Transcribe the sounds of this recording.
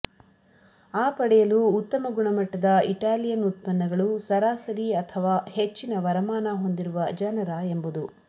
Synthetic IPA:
aːpɐɽɛjɐluːt̪ːɐmɐɡuɳɐmɐʈːɐd̪ɐiʈaːlijɐnut̪̚pɐnːɐɡɐɭusɐɾaːsɐɾiɐt̪ʰɐʋaːhet͡ʃːinɐʋɐɾɐmaːnɐɦo̞nd̪iɾuʋɐd͡ʒɐnɐɾaːe̞mbud̪u

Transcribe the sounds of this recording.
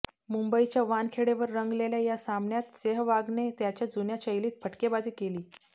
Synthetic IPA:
mumbəit͡ɕjaʋankʰeɽeʋəɾːəŋɡleljajasamnjat̪seɦʋaɡnet̪jat͡ɕjad͡zunjat͡ɕəjliːt̪̚pʰəʈkebad͡ziːkeliː

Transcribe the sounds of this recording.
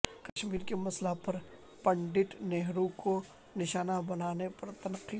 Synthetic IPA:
kɐʃmiːɾkemɐslapɐɾ | pɐ̃ɳɖɪʈneɦɾũko | nɪʃaːnabɐnaːnepɐɾt̪ɐnqːi

